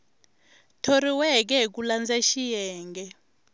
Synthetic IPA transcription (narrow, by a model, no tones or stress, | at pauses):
tʰoriwɛk̬ɛk̬uland͡zaʃijɛːŋɡɛ